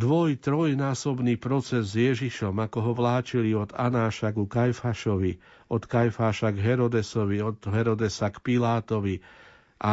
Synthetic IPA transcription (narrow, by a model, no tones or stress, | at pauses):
d̪ʋɔjt̪ɾɔjnaːsɔbniːpɾɔt͡sɛzːjɛʒiʃɔmakɔɦɔʋlaːt͡ʃiliɔd̪anaːʃaɡukajfaʃɔʋi | ɔt̪kajfaːʃaɡɦɛɾɔd̪ɛsɔʋiɔd̪ɦɛɾɔd̪ɛsakpilaːt̪ɔʋi | ʔa